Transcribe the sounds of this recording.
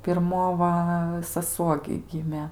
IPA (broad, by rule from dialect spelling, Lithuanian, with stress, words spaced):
pʲɪrˈmoː ʋɐ sɐˈsuɔ ɡʲɪ ˈɡʲɪmʲeː